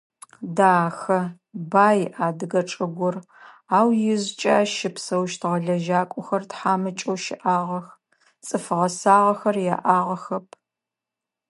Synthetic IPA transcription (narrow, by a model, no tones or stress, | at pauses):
daːxɐ | baːjʔaːdɨɡɐʈ͡ʂʼɨɡʷʊr | aːwjɪzt͡ʃʼaːʃɪpsɐwʃtʰʁɐɮɐʒaːkʷʼʊxɐrtħaːmɨt͡ʃʼowʃɪʔaːʁɐx | t͡sʼɨfɨʁɐsaːʁɐxɐrja̰ːʔaːʁɐxɐpʰ